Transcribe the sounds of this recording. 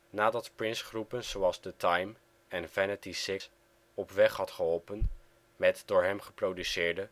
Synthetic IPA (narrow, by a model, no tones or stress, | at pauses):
naːdɑtprɪnsχrupənzowɑlˠzdətɑjm | ɛnvɛnətisɪs | ɔpʋɛχhɑtχəɦɔlˠpən | mɛtdʊːɹɦɛmχəprowdysɪːɹdə